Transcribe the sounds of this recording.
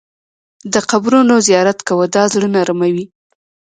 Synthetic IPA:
d̪əqabɾunozijɑɾat̪kawəd̪ɑzɽənaɾamawi

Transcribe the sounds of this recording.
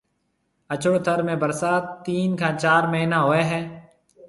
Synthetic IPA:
ət͡ʃəɽt̪ʰəɾmẽːbəɾsaːt̪ːiːnkʰãːt͡ʃaːɾməɦiːnãːɦoːeːɦɛː

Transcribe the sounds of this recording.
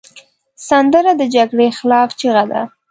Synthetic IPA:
sand̪əɾad̪əd͡ʒaɡɽexɪlɑft͡ʃiɣad̪a̰

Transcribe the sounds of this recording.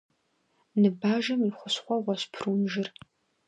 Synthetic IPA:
nɨbaːʒɐmiχʷʊɕχʷɔʁʷɔɕpʰruːmʒɪr

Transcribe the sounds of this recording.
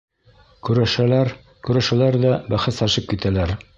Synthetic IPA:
kʉɾæʃælæɾ | kʉɾæʃælæɾðæbæχɘsæʃɤp̚kit̪ʰælæɾ

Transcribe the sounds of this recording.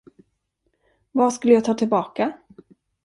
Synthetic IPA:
vaʂkɵlːəjaːt̪ʰɑːt̪ʰɪlbɑːka

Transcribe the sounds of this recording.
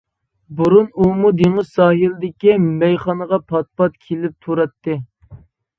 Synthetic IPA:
buɾunumud̪eŋɪzsɑːɦilɪd̪ɪkʲimɛjχɑnəʁɑpʰɑt̪̚pɑt̪̚kʲʰelɪp̚t̪ʰuɾɑt̪ːɨ

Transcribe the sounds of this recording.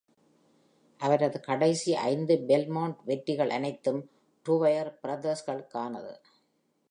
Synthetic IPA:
ʔɐʋɐɾɐðɯkɐɽɐɪsiʔɐ̰ɪnd̪ɯbɛlmɐːɳʈʋɛʈːɪɣɐɭʔɐ̰nɐɪt̪ːɯm | ʈuːʋɐjɐɾpɪɾɐd̪ɐsɣɐɭkaːnɐ̰ðɯ̰

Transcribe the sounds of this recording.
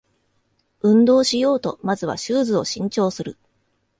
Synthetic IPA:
ɯ̟̃nd̪o̞ːɕijo̞ːt̪o̞mazɨβ̞a̰ɕɨːzɨo̞ɕĩɲ̟t͡ɕo̞ːsɨɾɯ̟

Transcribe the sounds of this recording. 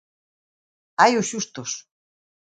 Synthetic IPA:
ajuɕuʃt̪oʃ

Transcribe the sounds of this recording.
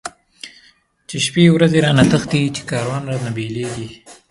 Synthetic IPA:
t͡ʃeʃpewɾazeɾɑnat̪əxt̪it͡ʃe̥kɑːɾwɑnɾɑnabeleɡi

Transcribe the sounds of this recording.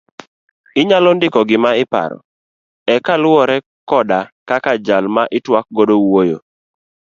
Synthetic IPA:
ɪɲalɔndɪkɔɡɪmaɪpa̰ɾɔ̰ | ɛkalwɔɾɛ | kɔdakakad͡ʒalmaʔɪtwak̚ɡodowojo̰

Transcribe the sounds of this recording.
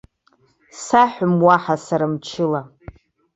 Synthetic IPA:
saħʷᶣʊmwaħasaɾamt͡ʃʰɪla

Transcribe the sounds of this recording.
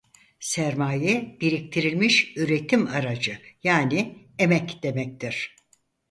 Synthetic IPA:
sæɾmaːjɛb̥iɾik̚t̪ʰiɾilʲmiʃyɾe̞t̪ʰimaɾad͡ʒɯjaːni | emɛcd̪̥e̞mɛc̚t̪ʰiɾ̥

